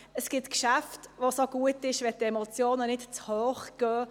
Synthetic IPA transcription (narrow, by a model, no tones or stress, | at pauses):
əsɡ̥ɪtkʃæftʋosoɡ̥uətɪʃʋɛtɛmot͡sjoːnənɪtt͡shøːχɡ̥œː